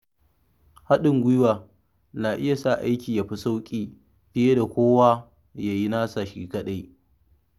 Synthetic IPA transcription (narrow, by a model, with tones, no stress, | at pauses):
ha˦ɗɪ˨ŋɡʷʊ˦jwaː˨ | na˨ʔɪ˦ja˨sa˦˨ʔa˦jkʲiː˨ja˨ɸi˦sa˦wkʲʼiː˦ | ɸɪ˦je˦da˨kʷoː˦wa˦ | ja˨ji˦naː˦sa˨ʃḭː˦kɐ˦ɗa˦ji˦